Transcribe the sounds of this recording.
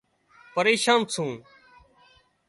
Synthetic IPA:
pəɾeːʃãːnsʰũː

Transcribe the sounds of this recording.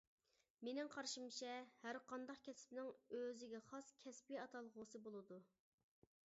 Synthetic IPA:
menɪŋqʰɑɾʃimt͡ʃʰɛhæɾqʰɑnd̪ɑqkʲʰɛsɪ̥pnɪŋøzɪɡʲɛχɑskʲʰɛspijɑt̪ʰɑlˠʁʊsɨbolˠɨd̪u

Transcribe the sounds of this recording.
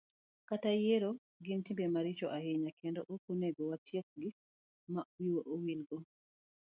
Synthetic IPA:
katajeɾo | ɡintimbɛmaɾit͡ʃɔʔahiɲakʰɛndoʔokuneɡɔwatjek̚ɡi | mawiwoʔowilɡɔ

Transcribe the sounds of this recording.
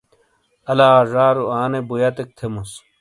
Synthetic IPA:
ɐlaːʐaːɾuaːnebujɐt̪ek̚t̪ʰemus

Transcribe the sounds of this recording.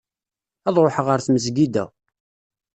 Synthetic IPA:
æðˤɾoħʁəɾθməzɡid̪æ̰

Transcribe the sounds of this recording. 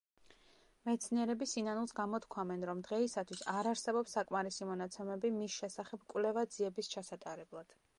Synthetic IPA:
mɛt̪sʰniɛɾɛbisinanulˠsɡamɔt̪ʰkʰwamɛnɾɔmd̪ʁɛisat̪ʰwisaɾaɾsɛbɔpsːakʼmaɾisimɔnat̪sʰɛmɛbimisʃɛsaχɛb̥kʼwlɛvad̪ziɛbist͡ʃʰasat̪ʼaɾɛblˠad̪̥

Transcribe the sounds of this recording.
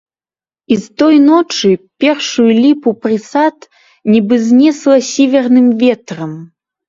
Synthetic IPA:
ist̪ɔjnɔt͡ʂɨpʲɛrʂujulʲipupɾɨsat̪ | nʲibɨzʲnʲɛslˠɐsʲɛvʲɛrnɨmvʲɛt̪rɐm

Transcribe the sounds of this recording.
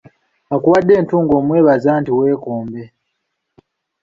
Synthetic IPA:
akuwadːeːntuːŋɡoːmweːβazaːntiweːkoːmbe

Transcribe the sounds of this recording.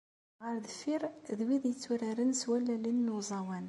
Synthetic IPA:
ʁəɾðəfiɾðwiðjət͡sːuɾaɾənswælːælinːuzˤɑwæn

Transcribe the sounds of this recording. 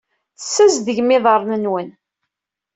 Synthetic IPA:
θsːæzðəʝmɪðˤəɾˤnənwən

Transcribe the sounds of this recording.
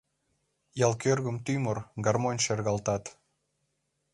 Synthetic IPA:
jɑlˠkørɣə̆mt̪ymorɡɑrmonʲʃerɣɑlt̪ɑt̪

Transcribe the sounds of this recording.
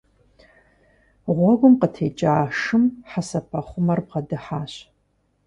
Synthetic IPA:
ʁʷɔɡʷʊmqətʰḛːt͡ʃʼaːʂɨmħasɐpʰɐχʷʊmɐrbʁɐdɨħaːɕ

